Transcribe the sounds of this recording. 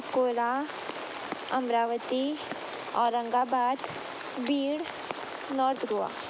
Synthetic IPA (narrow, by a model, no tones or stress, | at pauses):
koːla | ɐmɾaːʋət̪i | ɔ̰ːɾːə̃ŋɡaːbaːd̪ | biːɽ | nɔːɾt̪ʰɡua̰ː